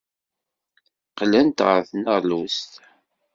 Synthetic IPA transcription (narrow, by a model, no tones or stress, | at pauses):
qlænt̪ʁəɾθnəʁlust̪